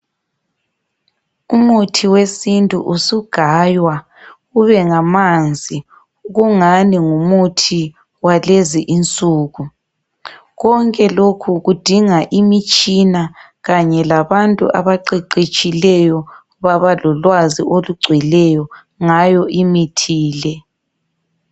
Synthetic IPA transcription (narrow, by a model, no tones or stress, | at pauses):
umutʰiwesintʼṵʔusuɡ̥ʱaːjwa | ɣuβɛŋamand͡zʱi | ɣuŋaniŋumutʰi | waleziʔint͡sʼuːɣu | ɣɔŋkʼɛlokʰuɣud̥ʱiŋaʔimit͡ʃʼina | ɣaɲɛlaβantʼṵʔaβaǃiǃit͡ʃʼilɛjɔ | βaβalɔlwazioluɡ͡ǀʱwilɛjɔ | ŋajɔʔimitʰiːlɛ